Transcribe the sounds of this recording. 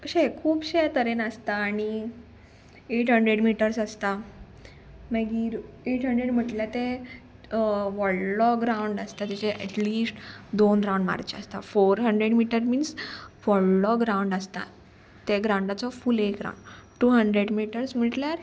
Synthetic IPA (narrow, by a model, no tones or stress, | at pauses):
ɕekʰuːbɕeat̪əɾenəst̪aːɽ̃i | eʈɦəɳɖɾeɽmiʈəɾsast̪a | maɡiɾ | eʈʰɦəɳɖɾeɽm̤əʈljat̪e | ʋɔɽlɔɡɾawɳɖast̪at̪at͡ɕeʔɛ̰ʈliːsʈd̪onɾawɳɖma̰ɾt͡ɕa̰st̪a̰foɾɦəɳɖɾeɽmiʈəɾmiːnsʋɔɭlɔɡɾãuɳɖast̪a̰ | t̪eɡɾãwɳɖat͡sɔfuːlekɡɾa̰wɳɖʈuːɦəɳɖɾeɽmiʈəɾsm̤əʈljaɾ